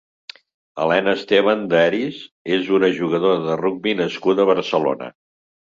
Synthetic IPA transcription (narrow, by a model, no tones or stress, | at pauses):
ə̰lɛnəst̪eβand̪ɛɾizezunəʒuɣəðoɾəðəruɡ̚binəskuðəβəɾsəlo̰nə̰